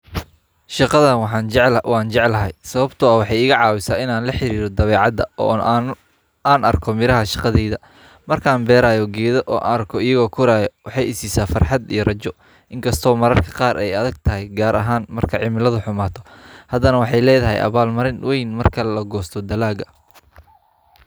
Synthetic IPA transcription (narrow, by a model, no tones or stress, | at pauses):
ʃɑqɑðɐnwɑħɑːnd͡ʒɛʕlwʔɑːnt͡ʃɛʕlɐɦɛjsɐβɐbt̪ʰʊɐwɑħɑjɪɣɐʕɑːwɪsaːɪnaːnlɐħɪɾiːɾɔd̪ɐβɛːʕɑd̪ɐɔ̰ | aːnɐrkʰɔmɪɾɐɦɐʃɑqɑðɛjðɐ | mɐrkʰaːnbɛːɾaːjɔɡɛːðɔʔɔːʔrkʰɔɪjɐɣɔːkʰʊɾaːjɔwɑħɑjɪsiːsaːfɐrħɑd̪ḭjɔrɐt͡ʃɔ | ʔɪŋkʰɐst̪ʰɔːmɐɾɐrkʰɐ̥qɑːɾʔɛjɐðɐɡ̚t̪ʰɐɦɛjɡaːɾʔɐɦaːnmɐrkʰɐʕɪmɪlɐðʊħʊmaːt̪ʰɔ̥hɐd̪ɐnɐwɑħɑjlɛːðɐɦɛ̰jʔɐ̰βaːlmɐɾɪnwɛjnmɐrkʰɐlɐɡɔːst̪ʰɔd̪ɐlaːɡɐ